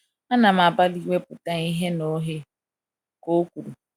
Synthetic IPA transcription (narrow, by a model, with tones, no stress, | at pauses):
a˦na˨m̩˨a˨ba˦li˦we˦pʊ˨ta˦i˦ɦe˦no˨˦ɦe˦ | ko˦kʷu˨ɾu˨